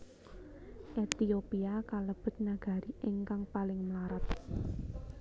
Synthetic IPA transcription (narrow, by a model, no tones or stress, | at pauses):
ʔet̪iopiakaləb̥ə̤t̪̚naɡ̥a̤ɾiʔeŋkaŋpalɪŋmlaɾat̪̚